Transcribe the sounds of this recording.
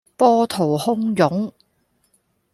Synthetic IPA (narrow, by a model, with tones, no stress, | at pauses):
pɔː˥t̪ʰo˨˩whʊ˥ŋjʊ˨˥ŋ